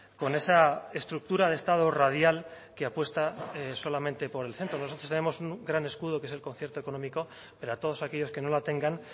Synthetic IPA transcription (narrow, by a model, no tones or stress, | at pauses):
ko̞ne̞sae̞st̪ɾuk̚t̪uɾaðest̪að̞orað̞jal | keapwe̞st̪aso̞lamẽnt̪e̞po̞ɾe̞lθe̞nt̪ɾono̞sot̪ɾo̞st̪enemo̞suŋɡɾane̞skuðoke̞s̬elko̞nθje̞ɾt̪oeko̞no̞miko̞ | peɾoat̪o̞ð̞o̞sake̞ʎo̞ske̞no̞lat̪e̞ŋɡan